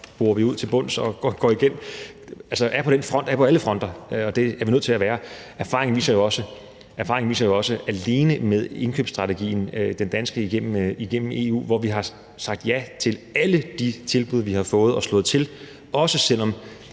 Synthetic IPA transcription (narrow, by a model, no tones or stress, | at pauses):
b̥uːɐʋiuð̞̰ˠt͡sʰe̝lb̥ɔ̽n̰sɒ̽ɡ̥ɒɡ̥ɒ̰iɡ̥en̰ | ælsəʔæɐpʰɒ̽ɾ̥enfʁɒ̽n̰d̥æɐpʰɒ̽æləfʁɒ̽n̰d̥ɐɒ̽d̥e̝æɐʋinøð̰ˠt͡sʰelæʋæːɐæɐfɑ̈ʁeŋn̩ʋḭːsɐjo̝ɒ̽sə | ʔæɐfɑ̈ʁɪeŋnʋḭːsɐjo̝ɒ̽səʔæle̝ːnəmeð̞ˠe̝nkʰøːb̥sd̥ʁɑ̈t͡sʰeɡ̥ḭːn̩d̥end̥ænsɡ̥əiɡ̥en̰m̩iɡ̥en̰m̩e̝ṵːʋɒʋiɦɑ̈ | sɑ̈ɡ̥̚d̥jæt͡sʰe̝læləd̥it͡sʰe̝lb̥uð̞ˠɐʋihɑ̈fɔ̽ːð̞̩ˠɒ̽slɔ̽ːð̩ˠt͡sʰe̝l | ɒ̽səsel̰ɒ̽m